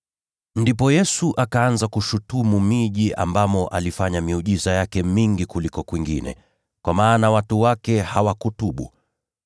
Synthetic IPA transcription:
ndipɔjɛsuʔakaanzakuʃutumumiʄia̰mbamɔʔa̰lifaɲamiuʄizajakɛmiŋɡikulikɔkwiŋɡḭnɛ̰ | kwamaːnawatuwakɛhawakutuɓṵ

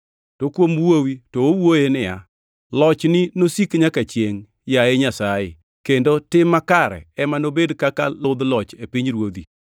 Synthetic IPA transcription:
tokwomwowitoowojenɪja̰ | lɔt͡ʃnɪnosikɲakat͡ʃjeŋ | jaeɲasajɪ̰ | kendotɪmːakaɾɛ̰ɛmanobedkaka̰lʊd̪lɔt͡ʃepiɲɾwod̪i

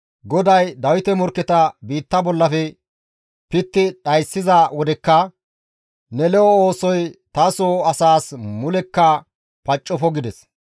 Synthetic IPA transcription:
ɡɔd̪ɐjd̪ɐwɪt̪ɛmɔɾkːɛt̪ɐbiːt̪ːɐbɔlːɐfɛ | pɪt̪ːɪɗɐjsːɪzɐwɔd̪ɛkːɐ | nɛlɛɔo̞ːsɔjt̪ɐsoɐsaːsmʊlɛkːɐ | pɐt͡ʃʼːɔfɔɡɪd̪ɛs

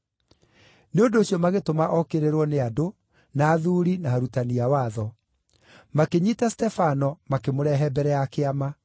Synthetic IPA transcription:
neondoːɕiɔmaɣetomaʔɔkeɾeɾwɔneado | naːðuɾinaaɾutaniawaðɔ | makeɲitastɛfanɔmakemoɾɛɦɛbɛɾɛjakeama

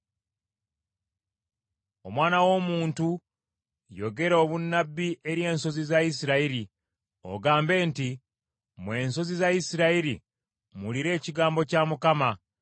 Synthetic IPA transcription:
o̞mwaːnawo̞muːntu | jo̞̰ɡe̞ɾo̞ːβunːabːiʔe̞ɾje̞ːnso̞zizais̬iɾaiɾi | o̰ɡaːmbe̞ːnti | mwe̞ːnso̞zizajisiɾaiɾi | muliɾe̞ːciɡaːmbo̞camukama

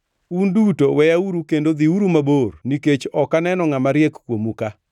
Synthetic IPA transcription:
undutowɛjauɾukendod̪iuɾumaborniket͡ʃɔkanɛnɔŋamaɾjɛkkwomuka

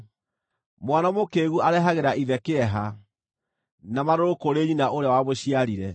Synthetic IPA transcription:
mwanamokeɣuaɾɛɦaɣeɾaʔiðɛkeɛɦa | namaɾoɾokoɾeɲinaʔoɾeawaβoɕiaɾiɾɛ

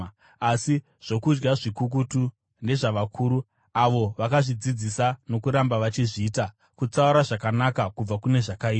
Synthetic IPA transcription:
asi | ʐ̥o̞kud͡ʒɡaʐikuk̬utu | nde̞ʐaʋakʰuːɾu | aʋo̞ʋakaʐid͡zid͡zisano̞kuɾambaʋat͡ʃiʐiːta | kut͡sauɾaʐakanakakub͡vakune̞ʐakaia

